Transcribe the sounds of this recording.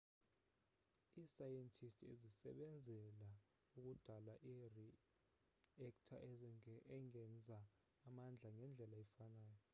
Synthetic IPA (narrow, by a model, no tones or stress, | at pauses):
isajɛntʼʰistʰʼḛzisɛ̰ɓɛnd͡zʱɛla | uk̬ud̥ʱalaʔiri | ɛktʰa | ɛŋɛnd͡zʱaː | mand͡ɮʱaŋɛnd͡ɮʱɛlaɛfanaːjɔ